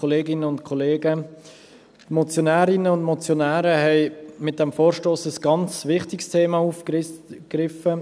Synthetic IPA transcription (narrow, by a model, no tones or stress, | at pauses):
oleːɡɪnəʊntkʰoleːɡə | tmɔt͡sjonæːɾɪnəʊndmɔt͡sjonæːɾəhɛɪmɪt̚d̥ɛmfoːɾʃtoːsəsɡ̥ɑnt͡sʋɪχtɪkstʰeːmɑufkrɪfə